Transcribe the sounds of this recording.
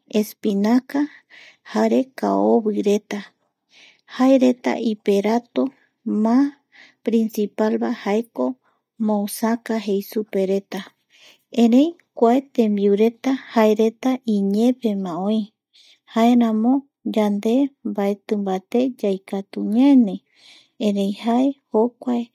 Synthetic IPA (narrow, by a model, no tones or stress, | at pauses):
espinaka | haɾe̞ka̰oβɨɾe̞t̪a | haeɾe̞t̪a̰ʔipe̞ɾat̪o | mã | pɾinsipalβahaeko̞ | mõwsakaɦe̞jsupe̞ɾe̞t̪a | ẽɾẽ̞j̃ | kʷaet̪ẽ̞mbiuɾe̞t̪ahaeɾe̞t̪aiɲẽpe̞mãõj̃ | haeɾãmõ̞ | d͡ʒand̪e̞mbaet̪ɨ̃mbat̪e̞d͡ʒajkat̪uɲenẽ | ẽɾẽj̃hae̞hokʷae